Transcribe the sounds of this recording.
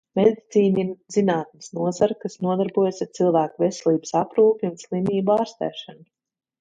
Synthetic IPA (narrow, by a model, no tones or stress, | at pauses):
med̪it̪siːniɾzinaːt̪̚nɪsnuɔzaɾkasnuɔd̪aɾbuɔjasaɾt̪silˠvæːkuvɛsɛlˠiːbə̥sapɾuːpʲiunslˠimiːbuaːɾst̪ɛ̰ːʃanu